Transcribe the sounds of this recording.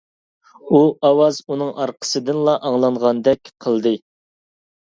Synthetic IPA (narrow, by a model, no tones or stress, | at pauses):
uɑwɑzunɨŋʔɑɾqʰə̥sɨd̪ɨnlˠɑʔɑŋlˠɑɴʁɑnd̪ɛkʲqʰəlˠd̪ɨ